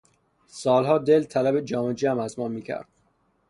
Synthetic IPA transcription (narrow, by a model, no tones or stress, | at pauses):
sɒːlɦɒːd̪e̞lt̪ʰælæbed͡ʒɒːmed͡ʒæmæzmɒːmiːcʰæ̰ɾd̪̥̚